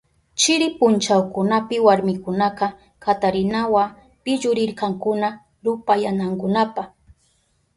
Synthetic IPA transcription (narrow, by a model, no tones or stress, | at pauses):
t͡ʃɪɾɪpʊnt͡ʃawkʊnapɪwaɾmɪkʊnaqɑ | kat̪aɾɪnawa | pɪʎʊɾɪɾkɑŋkʊna | ɾʊpajanaŋkʊnapaχ